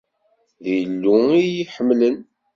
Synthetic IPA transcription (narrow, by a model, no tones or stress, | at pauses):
ðijənːuijiħəmːlən